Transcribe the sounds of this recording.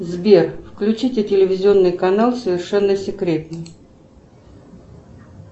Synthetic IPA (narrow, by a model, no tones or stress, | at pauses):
zbʲerfklʲʉt͡ɕitʲɪtʲɪlʲɪvʲɪzʲɪo̞nːɨjkɐnalˠsəvʲɪrʂɛnːəsʲɪkɾʲe̞t̪nɨj